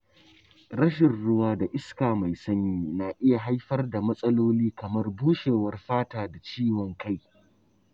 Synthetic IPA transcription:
ɾɐ˦ʃɪ˨nɽʊ˦waː˦da˨ʔɪ˦skaː˨ma˨jsɐ˦ɲjiː˦na˨ʔɪ˦ja˨ɦa˦jɸɐ˦rda˨mɐ˦sʼɐ˦loː˦liː˦kɐ˨mɐ˦rbuː˦ʃeː˨wɐ˦rɸaː˦taː˨da˨t͡ʃiː˦wɔ˨ŋka˦˨j

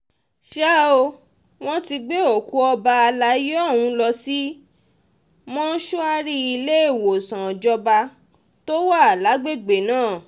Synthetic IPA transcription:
ʃa˦o˧ | w̃ɔ̃˦ti˧ɡ͡be˦o˨ku˧˦ɔ˧ba˧a˧la˨˦jɔ˦˨wũ˧˦lɔ˧si˦ | mɔ̃˦ʃu˦a˧ɾi˦i˧le˦e˦˨wo˨sã˨d͡ʒɔ˧ba˧ | to˦wa˦˨a˨la˨˦ɡ͡be˦˨ɡ͡be˨nãː˦˨

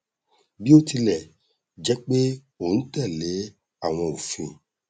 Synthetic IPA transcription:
bi˦o˦ti˧lɛ˦˨ | d͡ʒɛ˨˦k͡pe˦ | o˦˨ñ̩˨˦tɛ˦˨le˨˦ | a˦˨w̃ɔ̃˧o˨fĩ˧˨

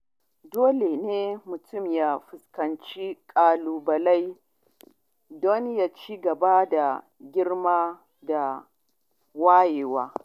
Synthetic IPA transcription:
doː˦le˨neː˦mʊ˨tʰʊ˦˨mja˦ɸɪ˨skɐ˨nt͡ʃi˦kʼaː˨luː˨bɐ˨la˦j | dɔ˦nja˦t͡ʃiː˦ɡɐ˨ba˦da˨ | ɡʲɪ˦rmaː˦ | da˨ | waː˦jeː˨waː˦

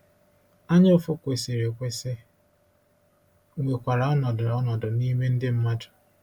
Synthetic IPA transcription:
a˦ɲa˦ʊ˦fʊ˦kʷe˨se˨ɾe˨kʷe˦se˦ | we˨kʷa˨ɾa˨ɔ˦nɔ˨dʊ˨ɔ˦nɔ˨dʊ˨ni˦me˦n̩˦dɪ˦m̩˦ma˦dʊ̥˨

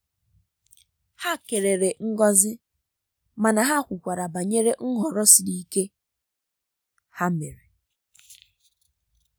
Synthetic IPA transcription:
ha˦ke˨ɾe˨ɾe˨ŋ̩˦ɡɔ˦zɪ˦ | ma˨na˨ɦa˦kʷʊ˨kʷa˨ɾa˨ba˨ɲe˦ɾe˦ŋ̩˦ɦɔ˨ɾɔ˦si˨li˦ke˦ | ha˦me˨ɾe˨

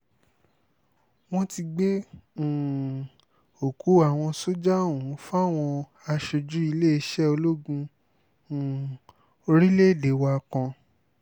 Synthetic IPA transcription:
w̃ɔ̃˦ti˧ɡ͡bẽ˦˨ | o˨ku˨˦a˨w̃ɔ̃˧so˦d͡ʒa˦˨wũ˨˦fa˦˨w̃ɔ̃˧ | a˧ʃe˧d͡ʒu˨˦i˧le˦i˧ʃɛ˦o˧lo˦ɡũ˧˨ | o˧ɾi˦le˦˨de˨wa˧kã˧

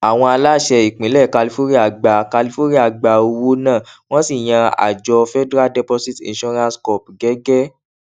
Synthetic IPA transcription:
a˨w̃ɔ̃˧a˧la˦˨ʃɛ˧i˨k͡pĩ˨˦lɛ˦˨ka˧li˧˦fo˦ɾi˦a˨ɡ͡ba˨ka˧li˧˦fo˦ɾi˦a˨ɡ͡ba˨o˧wo˦nãː˦˨w̃ɔ̃˦si˦˨j̃ã˧a̰˨d͡ʒɔ˧fɛ˦dɾa˦dɛ˦pɔ˧si˦tḭ̃˧ʃɔ˦ɾã˦skɔ˨pɡɛ˨˦ɡɛ˦

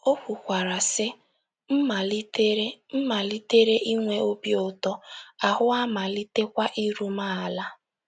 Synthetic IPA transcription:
o˦kʷu˨kʷa˨ɾa˨sɪ˦ | m̩˦ma˨li˦te˦ɾe˦m̩˦ma˨li˦te˦ɾe˦ʔi˦ŋʷe˦o˦bi˦o˨tɔ˦a˨hʊ˦a˦ma˨li˦te˦kʷa˦ʔi˦ɾu˦ma˦a˨la˦

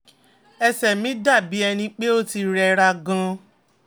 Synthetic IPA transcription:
ɛ˧sɛ˨mĩ˨˦da˦˨bi˨˦ɛ˧nĩ˧k͡pe˦o˦ti˧ɾɛ˧ɾa˧ɡã˧

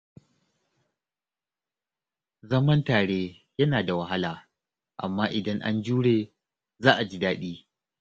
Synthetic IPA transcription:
zɐ˦mɐ˦ntaː˨ɽeː˦ | jɐ˦naː˨da˨wɐ˦ɦa˦laː˨ | ʔa̰˨mːaː˦ʔɪ˨dɐ˦ŋʔa̰˦nd͡ʒuː˦ɽeː˨ | zaː˦ʔa˨d͡ʒi˦daː˦ɗiː˦

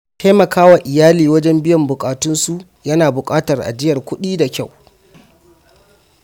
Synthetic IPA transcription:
tʰa˦mɐ˨kaː˦wa˨ʔɪ˨jaː˦liː˨wɐ˦d͡ʒɛ˦mbɪ˦jɐ˨mbʊ˨kʼaː˨tʊ˦nsu˦ʔ | jɐ˦naː˨bʊ˨kʼaː˦tɐ˨rʔa̰˨d͡ʒɪ˦jɐ˨rkʷʊ˦ɗiː˦da˨kʲa˦˨w

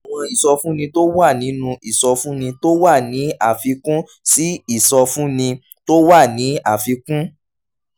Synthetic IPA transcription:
a˨w̃ɔ̃˧i˨sɔ˧fũ˦nĩ˧to˦wa˦˨nĩ˨˦nũ˧i˦˨sɔ˧fũ˦nĩ˧to˦wa˦˨nĩ˨˦a˦˨fi˧kũ˦ | si˦i˦˨sɔ˧fũ˦nĩ˧ | to˦wa˦˨nĩ˨˦a˦˨fi˧kũ˦

